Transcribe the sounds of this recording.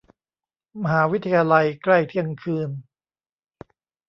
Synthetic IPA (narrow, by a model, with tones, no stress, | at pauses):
ma˧ɦaː˩˦wi˦˥t̪ʰa˧jaː˧la˧jkla˥˩jt̪ʰi˥˩əŋkʰɯː˧n